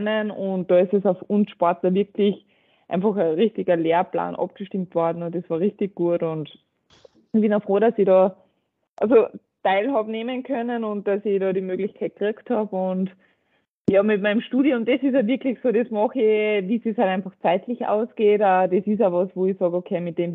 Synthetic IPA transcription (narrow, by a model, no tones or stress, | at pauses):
nənʊnt̚d̥ɑːɪstesaʊfʊnsʃpɔɐtləʋɪɐkʰlɪç | ʔã̰ɪ̃nfɑxəʁiçtɪɡɐleːɐpla̰ːnʔɑ̰p̚ɡ̥əʃtɪmtvɔɐdn̩ʊnt̚desvaːɐʁɪçtɪɡ̚ɡ̥uətʊnt | çb̥ɪnafʁoːɾasiɾɑː | ʔalzo | taɪlhɑbneːmənkʰœnənʊnt̚d̥asɪɾɑːɾiːmøːɡlɪçkʰaɪt̚ɡ̥ʁiɐkthɑːbʊnt | jɑːmɪt̚maɪnmʃtuːɾiʊmdesɪs̬aʋɪɐklɪçsoːdɛsmɑxɪʋiːseshaɾæ̃ɪnfɑxt͡saɪtlɪça̰ʊsɡ̥eːtadesɪs̬aʋɑsvoːɪsɑːɡokʰeːmɪt̚d̥eːm